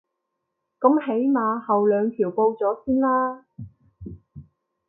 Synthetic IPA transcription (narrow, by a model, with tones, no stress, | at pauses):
kɐ˨˥mhe˨˥jmaː˨˧hɐ˨wlœː˨˧ŋkʰiː˨˩wpo˧wt͡sɔː˨˥siː˥nlaː˥